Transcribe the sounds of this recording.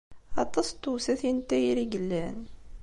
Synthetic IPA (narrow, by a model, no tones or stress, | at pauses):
ɑt̪ˤɑst̪ːusæθint̪ːæjɾiɡəlːæn